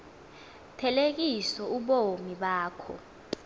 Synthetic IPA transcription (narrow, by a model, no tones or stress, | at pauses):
tʰɛlek̬isɔuɓomiɓaːkʰɔ̰